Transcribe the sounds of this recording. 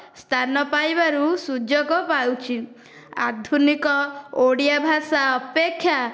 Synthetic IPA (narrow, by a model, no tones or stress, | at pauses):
st̪ʰanɔpajbaɾusud͡ʒɔɡɔpawt͡ʃʰi | a̰d̪ʱunikɔoɽijabʱasaɔpekʰːja